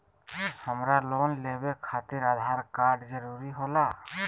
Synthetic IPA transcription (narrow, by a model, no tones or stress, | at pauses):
həmɾaloːnlebekʰat̪iɾad̪ʱaɾkaɾɖd͡ʒəɾuɾiɦola